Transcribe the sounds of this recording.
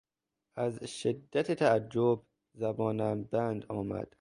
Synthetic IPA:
ʔæzʃed̪ːæt̪ʰet̪ʰæːd͡ʒːob̚ | zæbɒːnæmbænd̪ɒːmæ̰d̪̥

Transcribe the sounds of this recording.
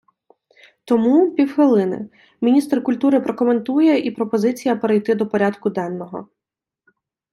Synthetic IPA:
t̪ɔmupʲiwxʋɪlˠɪnɪ̰ | mʲinʲist̪rkʊlʲt̪uɾɪpɾɔkɔme̞nt̪ujɛʔipɾɔpɔzɪt͡sʲijɐpeɾejt̪ɪd̪ɔpɔɾʲad̪kʊd̪ɛnːɔɦɔ

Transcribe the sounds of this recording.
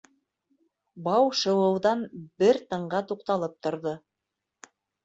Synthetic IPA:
bɑwʃɤ̆wɤ̆wðɑnbɘɾt̪ɤ̆ɴɢɑt̪uqt̪ɑlˠɤp̚t̪ŏɾðo

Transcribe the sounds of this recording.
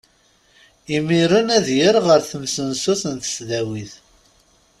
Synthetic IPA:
imiɾənæðjəɾʁəɾθəmsənsuθənt̪ə̥sðæwiθ

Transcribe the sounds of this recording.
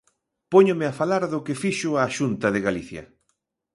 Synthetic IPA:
poɲʊmɪafalaɾðʊkɪfiʃʊaːʃunt̪ɐðɪɣaliθjɐ̰

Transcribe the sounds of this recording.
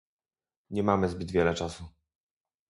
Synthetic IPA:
ɲɛmamɘzbɘd̪vʲjɛlɛt͡ʂasu

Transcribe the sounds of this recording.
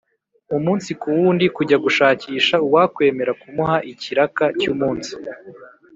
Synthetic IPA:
umuːnsikuwuːndikuɟaɡuʃaːciːʃauwakwe̞ːme̞ɾakumuhaʔiciɾakacuːmuːnsi̥

